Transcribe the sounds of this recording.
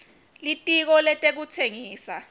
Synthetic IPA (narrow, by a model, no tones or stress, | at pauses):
litʼik̬ɔlɛtʼek̬ut͡sʰeŋiːsa